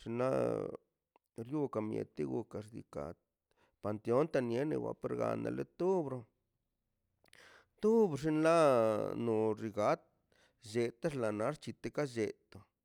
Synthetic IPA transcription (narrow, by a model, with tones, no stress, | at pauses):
ʂi˧nla̰˦ | ɾju˦ka˨mjḛ˨t̪e˦ɡu˧ka˨ʐd̪ḭ˧ka̰˨ | pa˨nt̪e˧o˦nt̪a˧nje˦nḛ˧wa̰˧˦pe˦ɾɡa̰˨na̰˨lḛ˦t̪u˦bɾo˧ | t̪u˦bʂi˧nla˦no˨ɾi˧ɡa˦t̪̚ | d͡ʒe˨t̪a˦ʂla˨na˨˦ʂt͡ʃi˧t̪e˧ka˦d͡ʒe˨t̪o˨